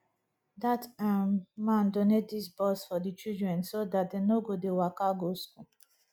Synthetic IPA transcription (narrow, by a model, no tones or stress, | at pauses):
d̪atʰamãnd̪ɔned̪isbɔsfɔd̪it͡ʃildɹɛ̃nsod̪at̚d̪ənoɡud̪iwakaɡosku